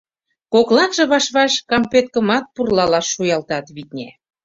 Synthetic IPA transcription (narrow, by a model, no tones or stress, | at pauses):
koklɑk̪ʒĕβɑʃβɑʃkɑmpet̪̚kə̆mɑt̪̚purlɑlɑʃːujɑlt̪ɑt̪βit̪̚nʲæ